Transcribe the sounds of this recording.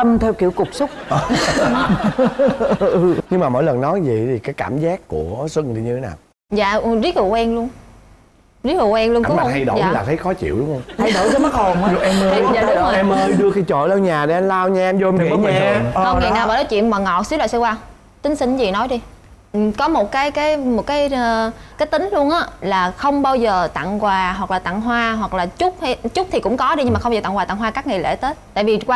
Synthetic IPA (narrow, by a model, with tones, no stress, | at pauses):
t̪ə˧mt̪ʰɛ˧wkḭ˧˨wkʊ˨˩k͡p̚sʊ˦˥k͡p̚ʔ | ɲɨ˧ŋŋ͡mmaː˨˩mo̰˧˥˨jlə˨˩nnɔ˨˦zi˨˩t̪ʰi˨˩kaː˨˦jkaː˧˩mzaː˦˥kːu˧˩əswə˧ŋɗi˧ɲɨ˧t̪ʰe˨˦naː˨˩w | za̰ː˧˨˩zi˦˥k̚ɨ̰˧˨˩wɛ˧nlu˧əŋ | zi˦˥k̚ɨ˧˨˩wɛ˧nlu˧ŋ˨˦a˧˩ha˧jɗo̰ː˧˨ɲɨ˧laː˨˩t̪ʰə˨˦jxɔ˨˦t͡ɕḭ˧˨əwɗʊ˨˦ŋ͡mhwŋ͡ma˧jɗo̰˧˩˦zə˨˦ma˦˥ho˨˩m˧˨ɲʊ˧ʔɛ˧mə˧˨zaː˨˦˨ʔɛ˧məː˧jɗɨ˧əki˧jt͡ɕo̰˧˨la˧wɲaː˨˩ɗe˨˧˩ʔa˧nlaː˧wɲa˧ʔɛ˧mzo˧mʰ˨ḭ˧˨ə˧˨˦ɲː˧˩˧ə˧ŋi˨˩na˨˩wvaː˨˩nɔ˨˦t͡ɕḭ˧˨əwmaː˨˩ŋɔ˨˩t̚swlaː˨˩sə˧waː˧w | t̪ï˨˦ŋ̟sï˧ŋ̟zi˨˩nɔ˨˦jɗi˧ | ʔkɔ˨˦mo˨˩t̚kaː˨˦jkaː˨˦jmo˨˩t̚kaː˨˦jkaː˨˦jt̪ï˨˦ŋ̟lu˧ənʔaː˨˦laː˨˩xə˧wŋ͡mɓaː˧wzəː˨˩t̪a̰˧˨ŋkwaː˨˩ɦwa˨˩k̚laː˨˩t̪a̰˧˨ŋɦwaː˧ɦwa˨˩k̚laː˨˩t͡ɕʊ˦˥k͡p̚ha˧jt͡ɕʊ˦˥k͡p̚t̪ʰi˨˩kʊ̰˧˥ŋ͡mkɔ˨˦ɗi˧ɲ˧ŋmaː˨˩xŋ͡maː˧˨˩a˧˨ŋwa˨˩a̰˧˨ŋɦwaː˧kaː˦˥k̚ŋa˨˩lḛ˧˥t̪e˦˥t̚t̪a̰ː˧˨jvi˨˩kwaː˧